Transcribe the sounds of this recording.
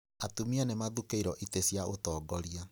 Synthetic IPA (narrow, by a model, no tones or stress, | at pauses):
atumianemaðukeiɾɔʔitesjaotɔːɡɔɾia